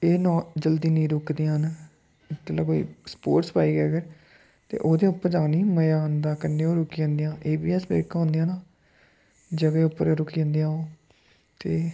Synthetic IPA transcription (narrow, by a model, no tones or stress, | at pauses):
eːnɔ̃ːd͡ʒəld̪iːnĩːɾʊkd̪ijãːn | ɪt̪ːelaːkoːḭːspoːɾʈspaːiːɡɛːɡəɾ | t̪ḛːʔoːd̪ẽʊpːəɾd͡ʒãːniːməjaːnd̪aːkənːẽːoːɾʊkijãːnd̪ijãːʔeːbiːɛsbḛːɾkaɦõːnd̪ijãːnaː | d͡ʒəɡeːʊpːəɾeːɾʊkiãːnd̪ijãːoː | t̪eː